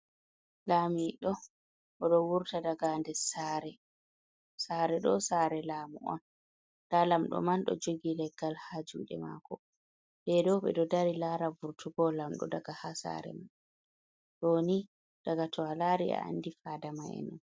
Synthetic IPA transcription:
laːmiɗɔ | ʔɔɗɔwuɾtadaɡandɛsaːɾɛ | saːɾɛɗɔsaːɾɛlaːmuʔɔ̰n | d̥aːlamɗɔ̰manɗɔ̰d͡ʒoɡilɛɡːalhad͡ʒṵːɗɛ̰ma̰ːkɔ | bɛdɔɓɛ̰ɗɔdaɾilaːɾabuɾtʰuɡɔlamɗɔ̰daɡahasa̰ɾɛ̰man | ɗoni | d̥aɡatʰɔwalaːɾia̰a̰nːdifaːdamaɛ̰nɔn

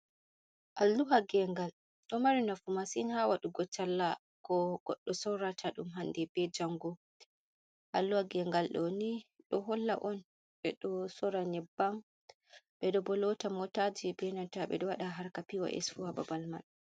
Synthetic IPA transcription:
ʔalːuwaɡɛŋɡal | ɗɔmaɾinafumasinhawaɗuɡɔt͡ʃːalːa | kɔɡ̥ɔɗːɔsɔwɾatʰaɗumɦandɛbɛd͡ʒaŋɡɔ | ʔa̰lːuwaɡɛŋɡalɗɔniɗɔɦɔlːa̰ʔɔn | ɓɛɗɔsɔɾaɲɛbːam | ɓɛɗɔbɔlɔtamɔtad͡ʒibɛnantaɓɛ̰ɗɔwaɗaɦaɾkapiwa̰ʔɛ̰sfuaba̰balma̰n

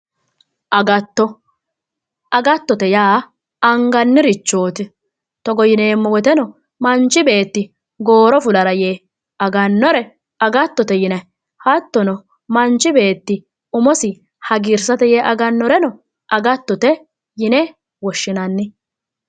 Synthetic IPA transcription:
ʔɐɡɐt̪ːɔ | ʔɐɡɐt̪ːɔt̪ɛjaː | ɐŋɡɐnːɪɾɪt͡ʃːoːt̪ɪ | t̪ɔɡɔjɪne̞ːmːɔwɔt̪ɛnɔ | mɐnt͡ʃːɪbe̞ːt̪ːɪ | ɡo̞ːɾɔfʊlɐɾɐjeː | ɐɡɐnːɔɾɛ | ɐɡɐt̪ːɔt̪ɛjɪnɐ | hɐt̪ːɔnɔ | mɐnt͡ʃːɪbe̞ːt̪ːɪ | ʊmɔsɪ | hɐɡɪɾsɐt̪ɛjeːʔɐɡɐnːɔɾɛnɔ | ʔɐɡɐt̪ːɔt̪ɛ | jɪnɛ | wɔʃːɪnɐnːɪ

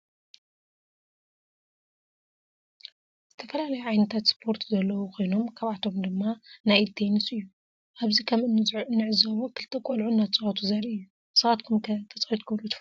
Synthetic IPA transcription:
z̥ɨt̪ʰɐfɐlalɐjuʕajnɨt̪ʰat̪spʰo̞ɾt̪ʰzɐlːɐwukʰo̞jno̞mkʰaβʕat̪ʰo̞md̪ɨmːanajt̪ʰejnɨsɨjːu | ʔaβzikʰɐmɨnːɨzɨnːɨʕɨzɐwokʰɨlt̪ʰɐkʷʼolʕunːat͡sʼɨʕat̪ʰuzɐɾiɨjːu | sɨɣat̪kʰumkʰɐt̪ʰɐt͡sʼɐwit̪kʰɨβlut̪ʰɨf

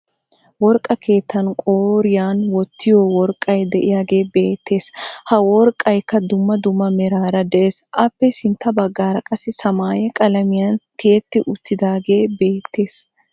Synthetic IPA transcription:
wɔɾkʼːɐkʰe̞ːt̪ːɐnkʼoːɾɪjaːnwɔt̪ʰːɪjowɔɾkʼːɐjd̪ɛʔɪjaːɡe̞ːbe̞ːt̪ːe̞ːshɐwɔɾkʼːɐjkːɐd̪ʊmːɐd̪ʊmːɐmɛɾaːɾɐd̪ɛʔeːsʔɐpːɛsɪnt̪ːɐbɐɡːaːɾɐkʼɐsɪsɐmaːjɛkʼɐlɐmɪjɐnt̪ɪjɛt̪ːɪʔʊt̪ːɪd̪aːɡe̞ːbe̞ːt̪ːe̞ːs

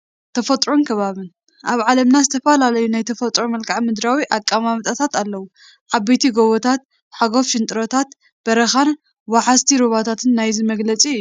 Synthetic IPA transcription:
t̪ʰɐfɐt̪ʼɾonkʰɐβaβɨn | ʔaβʕalɐmnazɨt̪ʰɐfɐlalɐjunajt̪ʰɐfɐt̪ʼɾomɐlkʰʼaʕmɨd̪ɾawiʔakʼːamamt̪ʼat̪ʰat̪alːɐwu | ʕabejt̪ʰiɡoβot̪ʰat̪̚ | ħaɡo̞fʃɪnt̪ʼɨɾot̪ʰat̪ | b̥ɐɾɐxan | waħast̪ʰiɾoβat̪ʰat̪ʰɨnːajzimɐɡlɐt͡sʼiɨjːuu

